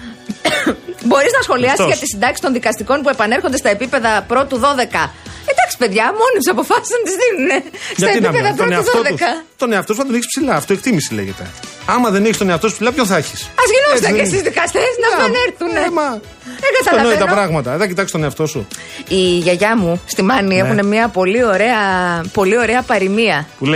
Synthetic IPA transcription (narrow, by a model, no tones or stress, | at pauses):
bo̞ɾiznɐsxo̞liɐsizʝɐt̪isind̪ɐcsi̥t̪o̞nðikɐst̪iko̞np̬ue̞pɐne̞ɾxo̞nd̪est̪ɐe̞pipe̞ðɐpɾo̞t̪uðo̞ðe̞kɐet̪d̪ɐksi̥pe̞ðʝɐmo̞nit̪sɐpo̞fɐsi̥snɐt̪izðinune̞sɐt̪ɐepipeðɐpɾonðoðekɐt̪o̞neɐft̪os̬uθɐt̪oniçispsilɐːft̪oek̚t̪imisilḛʝet̪e̞̰ | ɐmɐðeneçst̪oneɐft̪osu̥psilɐpçonθɐçi̥sɐzʝinoɐest̪izðikɐst̪esnɐɐneɾθunmɐ | eŋɡɐt̪ɐlolɐnoit̪ɐpɾɐɣmɐt̪ɐðɐcit̪ɐkst̪oneɐft̪o̞sṵiʝɐʝɐmust̪imɐniexune̞mɲiɐpo̞lio̞ɾe̞ɐpo̞lio̞ɾe̞ɐpɐɾimiɐpule